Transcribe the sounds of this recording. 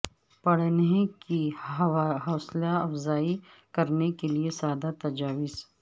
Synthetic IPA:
pɐɽneki | ɦɔːslaɐfzaːi | kɐɾnekeliesaːd̪at̪ɐd͡ʒaːʋɪz

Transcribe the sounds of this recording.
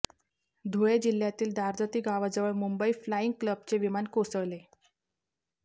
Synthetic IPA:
d̪ʱoed͡ʑil̤jat̪iːld̪aɾd͡zət̪iːɡaʋad͡zəʋəɭmumbəiflaiŋɡ̚kləbt͡seʋimankosəʋle

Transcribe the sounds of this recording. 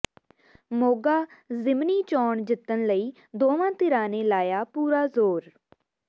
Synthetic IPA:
moːɡaːzɪmniːt͡ʃɔːɳd͡ʒɪt̪ːənləiː | d̪oːʋãːt̪ɪɾãːneːlaːjaːpuːɾaːzoːɾ

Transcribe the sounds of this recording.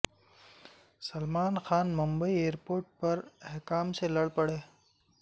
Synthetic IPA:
sɐlmaːnxaːnmʊmbəieːɾpoːɾʈ̚pɐɾɛɦkaːmselɐɽpɐɽeː

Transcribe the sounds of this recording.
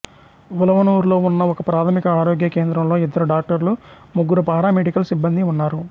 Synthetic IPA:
ʋulɐʋɐnuːɾlo̞ːunːɐɔkɐpɾaːt̪ʰɐmikɐaːɾoːɡjɐke̞ːnd̪ɾɐmlo̞ːid̪ːɐɾuɖaːk̚ʈɐɾlu | muɡːuɾupaːɾaːmeɖikɐlsibːɐnd̪iunːaːɾu

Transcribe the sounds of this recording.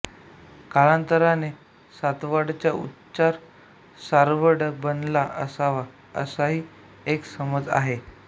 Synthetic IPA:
kalãnt̪əɾane | sat̪ʋaɽt͡ɕjaṵtː | ɕaɾ | saɾʋəɽbənlaʔəsaʋa | ə̰saɦiː | eksəməd͡za̰ɦe

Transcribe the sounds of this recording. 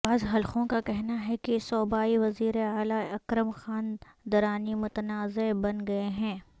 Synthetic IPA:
baːzɦɐlxõkakɛɦnaɦɛkesɔːbaːiʋɐziːɾeaːlaɐkɾəmxaːnd̪ɐɾaːnimʊt̪ənaːzebɐnɡɐeɦɛ̃ː

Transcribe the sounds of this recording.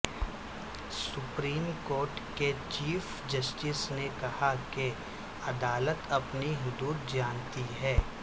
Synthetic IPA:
sʊpɾiːmkoːɾʈket͡ʃiːf | d͡ʒɐsʈɪsnekɐhake | ɐd̪aːlət̪ɐpniɦʊd̪uːd̪̚d͡ʒaːnt̪iɦɛː

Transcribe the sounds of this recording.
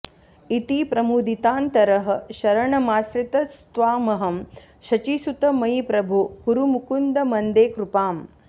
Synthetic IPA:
it̪ipɾɐmuːd̪ʱit̪aːnt̪ɐɾɐɦɐ̆ʃɐɾɐɳɐmaːsɾit̪ɐst̪ʋaːmɐɦɐm | ʃɐt͡ʃiːsut̪ɐmɐɦipɾɐbʱukuɾumukund̪ɐmɐnd̪eːkɾupaːm

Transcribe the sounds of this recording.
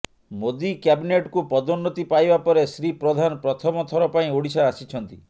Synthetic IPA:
mod̪ikjabineʈkupɔd̪ɔnːɔt̪ipajbapɔɾesɾipɾɔd̪ʱanɔpɾɔt̪ʰɔmɔt̪ʰɔɾɔpaĩoɽisaːsit͡ʃʰɔnt̪ḭ

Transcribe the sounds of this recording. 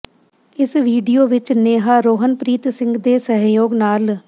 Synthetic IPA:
ɪsʋiːɖijoːʋɪt͡ʃneːɦaːɾoːɦənpɾiːt̪sɪ̃ŋɡd̪eːsəɦjoːɡnaːl

